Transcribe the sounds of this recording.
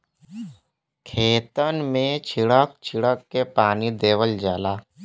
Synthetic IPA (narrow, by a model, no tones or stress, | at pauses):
kʰeːt̪ənmẽt͡ʃʰɪɽək̚t͡ʃʰɪɽəkːepaːnid̪eːʋəld͡ʒaːlaː